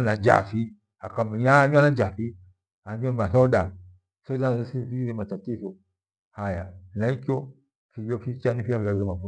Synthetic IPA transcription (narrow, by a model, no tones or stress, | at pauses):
nad͡ʒa̰fi | akamijaɲanad͡ʒafi | aɲomasoda | sodasisiɾimatatiso | hajanaikʲo | fijofit͡ʃanifiafiaɡemafu